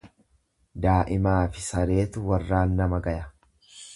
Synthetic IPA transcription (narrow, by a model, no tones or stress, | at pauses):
d̪aːʔɪmaːfɪsɐɾe̞ːt̪ʊwɐrːaːnːɐmɐɡɐjɐ